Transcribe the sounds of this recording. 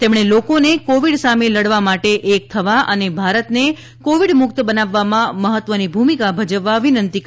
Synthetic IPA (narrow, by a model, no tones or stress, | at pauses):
t̪emɳ̃elokonekoʋiɽsameləɽʋamaʈeʔek̚t̪ʰəʋaʔənebʱaɾət̪ne | koʋiɽmʊkt̪bənaʋːamãməɦət̪ʋənibʱumikabʱəd͡ʒəʋːaəʋinənt̪ik